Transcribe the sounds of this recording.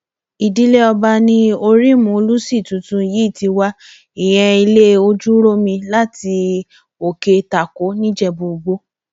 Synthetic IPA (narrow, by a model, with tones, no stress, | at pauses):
i˨di˦le˦ɔ˧ba˧nĩ˦o˧ɾi˦mũ˨o˧lu˦si˦˨tũ˨tũ˧˦˧ji˦i˦˨ti˧wa˦ | i˨j̃ɛ̃˧i˧le˦o˧d͡ʒu˦ɾo˦mĩ˧la˦ti˧ | o˨ke˧ta˨ko˨˦nĩ˦d͡ʒɛ˦˨bo˨ɡ͡bo˦